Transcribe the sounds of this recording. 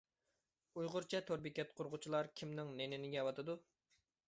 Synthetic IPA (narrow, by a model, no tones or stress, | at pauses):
ujʁʊɾt͡ʃʰɛt̪ʰoɾbɪkʲɛt̪̚qʰʊɾʁʊt͡ʃʰilˠɑɾkʲʰimnɪŋnenɪnɪɡʲɛwɑt̪ɨd̪u